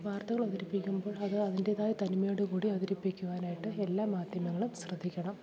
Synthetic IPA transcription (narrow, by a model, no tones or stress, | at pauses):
ʋaːrt̪ɐɣɐɭɐðiɾipːikʲːumbo̞ːɭɐðɨɐðinde̞ðaːjit̪ɐnmɐejoɽɨkuːɽiɐðiɾipːikʲːuʋaːnaːjiʈːɨelːaːmːaːd̪ʱjɐmɐŋːɐɭumsrɨd̪ʱːikʲːɐɳɐm